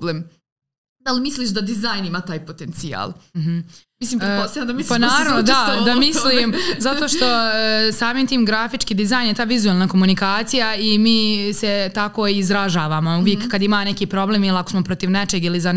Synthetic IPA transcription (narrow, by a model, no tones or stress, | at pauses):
leːm | d̪alimisliʃ̬d̪ad̪izaːjnimat̪aːjpot̪ent̪sia̰ːlˠm̩ɦ | misliːmpɾepost̪ɐand̪ɐmislpanaːɾanod̪ad̪amislimzat̪oʃt̪o̞saːmiːmt̪iːmɡɾafit͡ʃkiːd̪izaːjnjet̪aːʋizuelˠnako̞munikaːt̪sijaimiːset̪ako̞izɾaʒaːʋaːmouʋjekːad̪imaːnekiːpɾo̞bleːmilako̞smopɾot̪iʋnet͡ʃeɡiliza